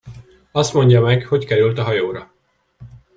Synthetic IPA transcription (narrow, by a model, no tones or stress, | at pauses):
ɒst̪mo̞ɲɟɒmɛɡho̞ckɛɾylt̪ɒɦɒjoːɾɒ